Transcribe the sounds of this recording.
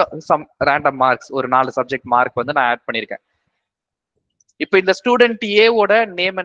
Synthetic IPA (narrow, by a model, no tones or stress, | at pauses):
sɐmɾaːɳɖɐmːaːɾksɔɾɯnaːlɯsɐb̚d͡ʒɛk̚ʈmaːɾkʋɐnd̪ɯnãːeːɖ̚pɐɳːɪɾɯkːḛ̃ː | ɪpːoːɪnd̪ɐsʈjuːɽɛɳʈjeːoːɽɐneːmɐ